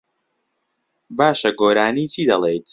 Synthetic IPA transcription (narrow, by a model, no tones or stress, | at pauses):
baːʃɐɡoːɾaːniːt͡sʰiːd̪ɐlˠeːjt̪